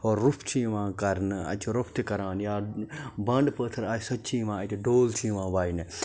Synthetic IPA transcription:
oːɾːʊpʰt͡ʃʰĩːʋãːkɐɾnɐ̰t͡ʃuɾopʰt̪ikɐɾaːnjaːbɐɳɖpəːt̪ʰɐɾaːisɐtːt͡ʃʰĩːʋãːɐt̪uɖoːlt͡ʃʰĩːʋãːʋaːin

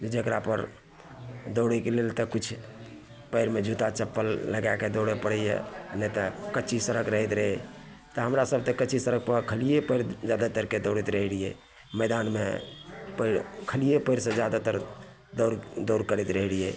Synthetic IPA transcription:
d͡ʒed͡ʒəkɾapəɾ | d̪oɽɛkelelt̪əkut͡ʃʰ | pəɪɾmed͡ʒʱut̪at͡ʃəpːəlːəɡaked̪oɽɛpəɽɛjḛənɛt̪əkət͡ʃʰisəɾəkɾəɦɛt̪ɾəɦɛ | t̪ɔɦəmɾasəb̚t̪ekət͡ʃʰisəɾək̚pəkʰəlijepəɪɾd͡ʒjad̪at̪əɾked̪oɽit̪ɾəɦilijḛ | mɛd̪anmepəɾkʰəlijepəɪɾsẽd͡ʒjad̪at̪əɾ | d̪ɾd̪oɾkəɾɛt̪ɾəɦilije

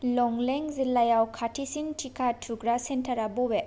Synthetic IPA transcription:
lɔŋleŋzilajawkʰatʰisiŋtʰikʰatʰuɡɾasentʰaɾabɔbe

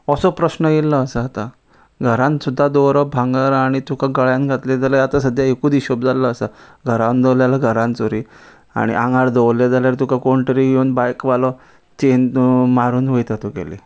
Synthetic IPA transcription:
əsɔpɾəɕnəɡeləːsəat̪a | ɡʱəɾãnsud̪ʱːad̪oɾɔbʱãŋɡaɾaɽ̃it̪ukaɡəɭjãnɡʱat̪led͡zaləat̪asəd̪ʱjaekuːd̪iɕopd͡zaləːsaɡʱəɾãnd̪əwljalaɡʱəɾãnt͡soɾi | a̰ɽ̃ḭʔãŋɡaɽd̪ɔwlːed͡zaljaɾt̪ukakoɳʈəɾiɡuːnbajkʋalɔ | t͡ɕenmaɾuːnʋəjt̪at̪okḛlḛ

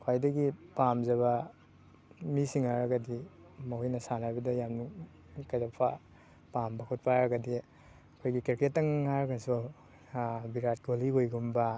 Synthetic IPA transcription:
kʰajdɐɡipamzɐβa | misiŋaɾɐɡɐdi | mahujnɐsanabidajamnu | kazapʰa | pambakʰut̚paɾɐɡadi | ɐkʰojɡikeɾketːɐŋːaɾkʰanso | biɾat̚ɡoliojɡumba

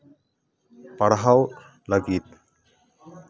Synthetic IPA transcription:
pɐɽɦaw | ləɡiːt̪

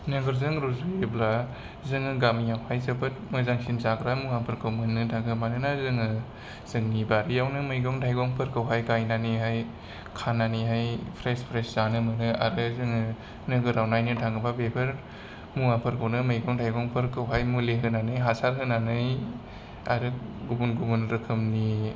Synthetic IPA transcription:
nɯɡɯɾzɯŋɾuziebla | zɯŋɯɡamijawhajzɯbɯt̚mɯzaŋsinzaɡɾamuŋapʰɯɾkʰɯwmɯnɯtʰaŋɡɯmanɯnazɯŋɯ | z̥ɯŋnibaɾijawnɯmɯjɡɔŋtʰajɡɔŋpʰɯɾkɯwɦajkajnaniɦaj | kʰanːaniɦajpʰɾespʰɾeszanɯmɯnɯa̰ɾɯzɯŋɯ | nɯɡɯɾawnajnɯtʰaŋɡɯbabepʰɯɾ | muŋapʰɯɾkʰɯwnɯmɯjɡɔŋtʰajɡɔŋpʰɯɾkɯwɦajmuleɦɯnanɯjɦasaɾɦɯnanɯj | a̰ɾɯɡubunɡubunɾɯkʰɯmni

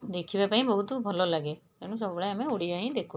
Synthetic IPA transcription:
d̪eːkʰibɛpãːĩbəɦʊt̪bʱəloləɡeː | eːnũs̬əbɽɛəmẽoɽiaːĩd̪eːkʰo

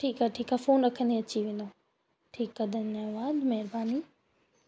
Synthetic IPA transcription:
ʈʰiːkaːʈʰiːkaːfoːnɾɐkʰə̃nd̪eɐt͡ɕiʋẽːn̆d̪o | ʈʰiːkːɐd̪ɐnaʋaːzmɛɦɪɾbaːniː

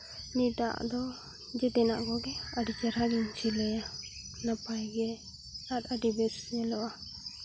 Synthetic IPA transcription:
nid̪a̰d̪ɔ | d͡ʒɛd̪ɛna̰ʔɡɔɡɛaɖid͡ʒaɾaɡɛɲt͡ʃʰilɛja | napajɡɛ | sat̪̚aɖibɛsnɛlɔʔa

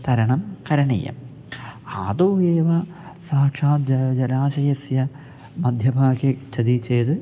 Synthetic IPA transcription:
t̪ɐɾɐɳɐmkɐɾɐɳḭjɐ̰m | aːd̪oːʋeːʋɐ | saːkʂaːt̪̚d͡ʑd͡ʑɐlaːɕɐjɐsjɐ | mɐd̪ʱjɐbʱaːket͡ɕʰɐd̪it͡ɕːeːt̪ɨ

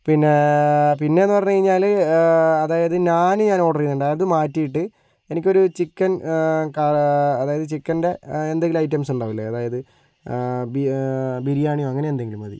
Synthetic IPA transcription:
pinːepinːe̞enːɨpɐrɐɲːukɐɻiɲːaːl | ɐðaːjɐðɨɲaːnɨɲaːno̞ːɽɐrijinːuɳɖaːjɐðɨmaːtːijiʈːɨ | e̞nikʲːo̞ɾut͡ɕikːɐnkaɐðaːjɐðɨt͡ɕikːɐnde̞end̪eŋɡiluɐjt̬ːɐmsuɳɖaːʋilːɐɐðaːjɐðɨ | bibiɾijaːɳijoɐŋːɐne̞end̪eŋɡilumɐðḭ

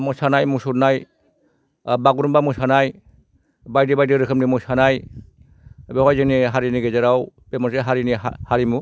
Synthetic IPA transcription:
musanajmusuɾnaj | baɡuɾmbamusanaj | bajdibajdiɾɯkʰɯmnimusanaj | beɦɔjziniɦaɾiniɡezaɾawbemɔseɦaɾinihaɾimu

